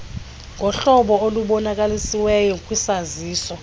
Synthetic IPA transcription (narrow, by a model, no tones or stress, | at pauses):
ŋɡʱɔɬɔɓɔoluɓɔnak̬alisiwɛjɔkʼwisaziːsɔ